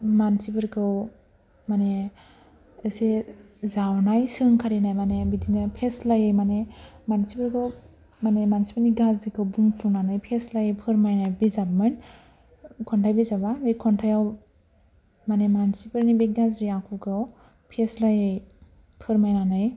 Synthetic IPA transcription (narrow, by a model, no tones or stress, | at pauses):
mansipɯɾkʰɯw | mane | ɯse | zawnajsɯŋkʰaɾinajmanebidinɯpʰeslajɯjmanemansipɯɾkʰɯw | manemansipʰəɾniɡazɾikʰɯwbuŋpʰunanɯjpʰeslajɯjpʰɯɾmajnajbizabmɯn | kʰɔntʰajbizababejkʰɔntʰajaw | manemansipʰɯɾnibek̚ɡazɾiakʰukʰɯw | pʰeslajɯj | pʰɯɾmajnanɯj